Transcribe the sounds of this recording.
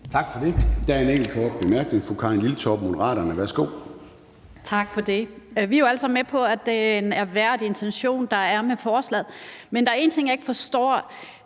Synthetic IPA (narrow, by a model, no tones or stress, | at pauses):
t͡sʰɑ̈ɡ̥fɒd̥e̝d̥æɐe̝neŋ̰ɡ̥l̩kʰɒːɡ̥b̥e̝mæɐɡ̥neŋfɔkʰɑ̈e̝nlilət͡sʰɒb̥mo̝d̥ɐʁɑ̰̈ːɾɐnəʋæɐsɡ̥o̝̰ː | t͡sʰɑ̈ɡ̥fɒ̽d̥e̝ʋijoælsɑmmepʰɒ̽æd̥enæɐʋæɐ̰d̥e̝nt͡sʰenɕo̝̰ːnd̥ɑ̈æɐmefɒːslɛ̰ð̩ˠmend̥ɑ̈æɐe̝ːn̩t͡sʰe̝ŋ̰jɑe̝ɡ̥fɒ̽sd̥ɒ̰ː